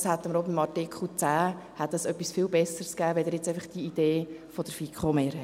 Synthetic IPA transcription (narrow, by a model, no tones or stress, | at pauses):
shæt̪ːəməɾobimɑɾtikχl̩t͡sæːhɛt̪əsœpːisfɪlbɛsəɾskæːʋɛd̪ɛɾjɛt͡sæɪfəχd̥iid̪̥eːfod̥əɾfikʰχomeːɾhɛ